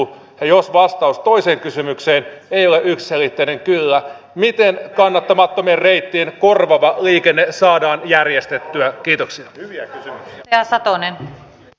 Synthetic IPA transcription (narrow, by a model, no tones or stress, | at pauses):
jɑjosʋɑst̪ɑust̪o̞ise̞ːŋkysymykseːneijo̞leʔyksse̞lit̪ːeine̞ŋkylːæ | mit̪enkɑnːɑt̪ːɑmɑt̪ːo̞mierrejt̪ːienko̞rʋɑʋɑliːkenːesɑːdɑːnjærjest̪et̪ːyækiːt̪oksiɑyʋiækysymyksɑsɑt̪onen